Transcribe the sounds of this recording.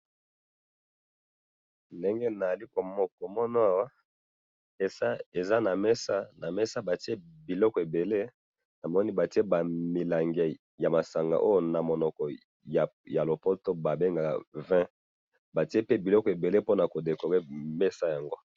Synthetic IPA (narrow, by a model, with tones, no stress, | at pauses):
nde˦ŋɡe˦na˨li˦ko˨mɔ˦kɔ˨mɔ˦no˦a˨wa˦ | e˨a˦e˨za˦na˨mɛ˦sa˦na˨mɛ˦sa˦ba˨ti˦e˦bi˨lɔ˦kɔ˨e˨be˨le˦ | na˨mɔ˦ni˦ba˨ti˦e˦ba˨mi˨la˨ŋɡɛ˨ | ja˨ma˨sa˨ŋɡa̰˨ʔo˦jo˦na˨mo˨nɔ˨kɔ˨ | ja˨ja˨lo˨po˦to˦ba˨be˦ŋɡa˨vɛ̃˦ | ba˨ti˦e˦pe˦bi˨lɔ˦kɔ˨e˨be˨le˦po˦na˨ko˨de˨ko˨ʁe˦me˦sa˦ja˨ŋɡo˦